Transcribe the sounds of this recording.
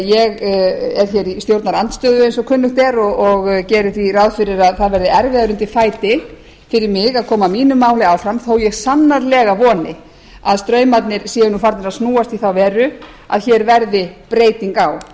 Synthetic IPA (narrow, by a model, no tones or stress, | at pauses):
jɛɣɛɾ̥çɛːɾist̪jowɾt̪naɾant̪st̪œːðʏẽjnsɔkʰʏnlːʏxt̪ɛɾɔɔɣcɛːɾʏθvirawðfɪɾɪɾaðθaðvɛɾðɪɛɾvɪðaɾʏmnt̪ɪfaːjt̪ɪ | fɪɾɪɾmɪɣaðkʰɔːmamiːnʏmːaːwlɪaːwfɾamθowjɛɣsanːaɾlɛːɣavɔːnɪ | aðst̪ɾœːɥmat̪nɪɾsjɛːjɪnufaɾt̪nɪɾaðsnuːast̪iθawvɛːɾʏ | a̰ðçɛːɾvɛɾðɪpɾeːjt̪iŋkaw